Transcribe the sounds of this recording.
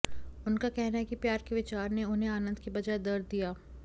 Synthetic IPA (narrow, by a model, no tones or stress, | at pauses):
ʊnkakɛɦnaɛkipjaːɾkeʋɪt͡ʃaːɾneʊnɦẽaːnə̃nd̪kibɐd͡ʒaːed̪ɐɾd̪ijaː